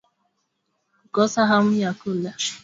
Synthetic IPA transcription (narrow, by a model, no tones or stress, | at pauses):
ɡɔsaɦam̩jakula